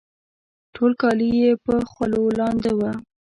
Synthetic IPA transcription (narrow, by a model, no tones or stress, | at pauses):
ʈʰolkɑlijepəxwalolɑnd̪ewə